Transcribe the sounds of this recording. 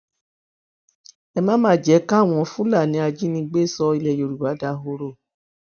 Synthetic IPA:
ɛ˧mãː˦mãː˨˦˨d͡ʒɛ˨˦ka˦˨w̃ɔ̃˧fũ˦la˦˨nĩ˨˦a˧d͡ʒi˦nĩ˧ɡ͡be˦˨sɔ˦i˧lɛ˦˧˨jo˨˧ɾu˨ba˨˦da˧˦ɦo˧ɾo˦˨

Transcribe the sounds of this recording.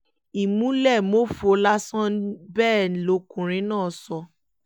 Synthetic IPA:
i˨mũ˦lɛ˦˨mo˦fo˧˦la˦sã˦bɛː˦˨lo˧˦kũ˨ɾ̃ĩ˨˦nãː˦˨sɔ˧

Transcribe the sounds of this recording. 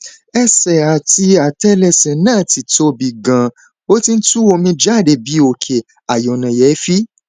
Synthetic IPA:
ɛ˧sɛ˨a˨ti˧a˨tɛ˦lɛ˧sɛ̃˨nãː˦˨ti˨to˧˦bi˨ɡã˨ | o˦ti˧n̩˦tu˦o˧mĩ˧d͡ʒa˦˨de˨bi˨˦o˧˨kʰe˨ | a˨jɔ˨nã˨jɛ˨˦fi˦

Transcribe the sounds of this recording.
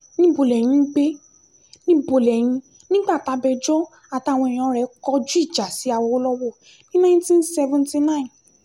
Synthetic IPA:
nĩ˦bo˨lɛ˨j̃ĩ˧˦ɡ͡be˦ | nĩ˦bo˨lɛ˨j̃ĩ˧˦ | nĩ˦ɡ͡ba˦˨ta˨˦bɛ˧d͡ʒɔ˦ | a˨ta˧˨w̃ɔ̃˧i˨j̃ã˨˦ɾɛ˨˦kɔ˧˦d͡ʒu˦i˦˨d͡ʒa˨si˨˦a˨wo˧˦lɔ˦wɔ˦˨ | nĩ˦nã˦ntĩ˦nsɛ˧vɔ̃˧nti˧nã˦ĩ˨n

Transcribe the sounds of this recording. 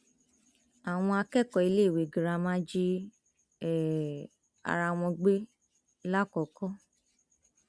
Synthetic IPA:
a˨w̃ɔ̃˧a˧kɛ˦˨kɔ˨i˧le˦˨we˨ɡi˨ɾa˧mã˦d͡ʒi˦ | ɛ˨ | a̰˧ɾa˧w̃ɔ̃˧ɡ͡be˦ | la˦kɔ˨kɔ˦

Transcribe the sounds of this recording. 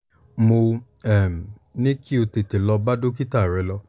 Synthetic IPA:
mo˧ | ɛ˦˨m˨nĩ˦ki˦o˧te˧te˨lɔ˧ba˦do˦ki˦ta˦˨ɾɛ˨˦lɔ˧

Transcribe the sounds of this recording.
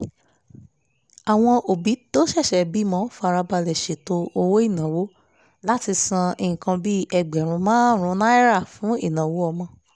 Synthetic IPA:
a˨w̃ɔ̃˧ʔo˨bi˨˦to˦ʃɛ˦˨ʃɛ˨˦bi˨˦mɔ̃˨˦fa˧ɾa˧ba˧lɛ˨ʃe˨to˧o˧wo˦i˦˨nã˨wo˦ | la˦ti˧sã˧e˨ĩ˨kã˧bi˦ɛ˧˨ɡ͡bɛ˨ɾ̃ũ˧mãː˦n˦ɾ̃ũ˧˦nã˦i˦ɾa˦˨fũ˨˦i˦˨nã˨wo˦ɔ˧mɔ̃˧

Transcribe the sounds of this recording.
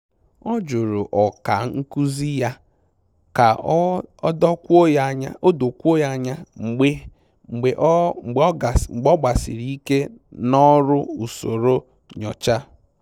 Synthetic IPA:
ɔ˦d͡ʒu˨ɾʊ˨ʔɔ˨ka˨ŋ̩˦ku˦zi˦ja˦ | ka˨ɔ˦dɔ˦kʷo˦ja˦ɲa˦o˦do˨kʷu˦o˦ja˦ɲa˦ŋ͡m̩˨ɡ͡be˦ | ŋ͡m̩˨ɡ͡be˨ʔ | ŋ͡m̩˨ɡ͡bɔ˦ɡ͡ba˨sḭ˨ɾi˦ke˦nɔ˦ɾʊ˦u˨so˨ɾo˦ | ɲɔ˨t͡ʃa˦

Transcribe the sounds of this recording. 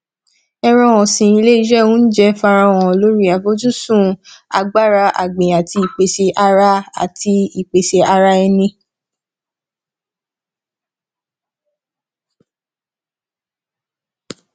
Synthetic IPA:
ɛ˧ɾ̃ɔ̃˧w̃ɔ̃˨sĩ˨i˧le˦i˦ʃɛ˦˨wũ˦n̩˦d͡ʒɛ˧fa˧ɾã˧w̃ɔ̃˨lo˦ɾi˦a˨vo˦d͡ʒu˦sũ˦˨a̰˧ɡ͡ba˦˨ɾa˧ʔa̰˨ɡ͡bẽ˨a˨ti˧i˨k͡pe˨ʃe˧ʔa˧ɾa˦a̰˨ti˧i˨k͡pe˨ʃe˧a˧ɾa˧ɛ˧nĩ˧

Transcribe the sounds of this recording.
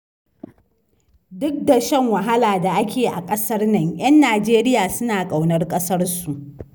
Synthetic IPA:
dʊ˦k̚da˨ʃɐ˦ŋwɐ˨ɦa˦laː˨da˨ʔa˦kʲʰeː˨ʔa˨kʼɐ˦sɐ˦rnɐ˦˨ŋj̰ɐ˦nːaː˨d͡ʒeː˦ɾɪ˦jaː˨sʊ˦naː˨kʼa˨wnɐ˦rkʼɐ˦sɐ˦rsu˨ʔ

